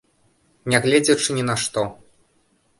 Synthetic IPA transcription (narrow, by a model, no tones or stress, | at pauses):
nʲɛɣlʲɛd͡zʲɛt͡ʂɨnʲinɐʂt̪ɔ